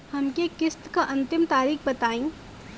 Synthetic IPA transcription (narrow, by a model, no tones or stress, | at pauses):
hɐmkekɪst̪kaʔɐ̃nt̪ɪmt̪aːɾiːxbɐt̪aːĩː